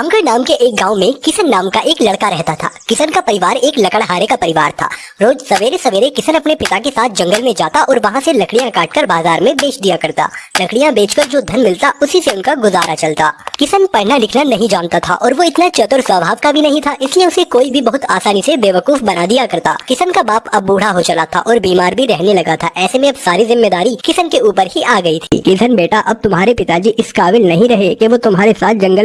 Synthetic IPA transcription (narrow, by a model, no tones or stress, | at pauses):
ɐ̃ŋɡəɽnaːmkeʔeːk̚ɡãːomẽkɪsənːaːmkaʔeːklɐɽkaɾɛɦt̪at̪ʰa̰ːkɪsənkapɐɾɪʋaːɾeːklɐkəɽɦaːɾekapɐɾɪʋaːɾt̪ʰa̰ːɾoːd͡ʒsɐʋeːɾesɐʋeːɾekɪsənɐpnepɪt̪akesaːt̪̚ʰd͡ʒɐ̃ŋɡəlmẽd͡ʒaːt̪aʔɔːɾʋɐɦãselɐkɽijãkaːʈ̚kɐɾbaːzaːɾmẽbeːt͡ʃd̪ijakɐɾt̪a̰ːlɐkɽijãbeːt͡ʃkɐɾd͡ʒoːd̪ʱɐnmɪlt̪aʊsiseʊnkaɡʊzaːɾʔat͡ʃɐlt̪a̰ːkɪsənpɐɽ̤nalɪkʰnanɐɦĩd͡ʒaːnt̪at̪ʰa̰ʔɔːɾʋoɪt̪nat͡ʃɐt̪ʊɾsʋəbʱaːʋkabʱinɐɦĩt̪ʰaʔɪslieʊsekoːibʱibɐɦʊt̪aːsaːnisebeːʋɐkuːfbɐnad̪ijakɐɾt̪a̰ːkɪsənkabaːpɐbːuːɽ̤aɦot͡ʃɐlat̪ʰa̰ʔɔːɾbiːmaːɾbʱiɾɛɦnelɐɡat̪ʰaʔɛːsemẽɐbsaːɾizɪmːeːd̪aːɾikɪsənkeuːpəɾɦiʔaːɡɐit̪ʰḭːkid̪ʱɐnbeːʈaʔɐb̚t̪ʊmɦaːɾepɪt̪ad͡ʒiːʔɪskaːʋɪlnɐɦĩɾɐɦekeʋot̪ʊmɦaːɾesaːt̪̚ʰd͡ʒɐ̃ŋɡəl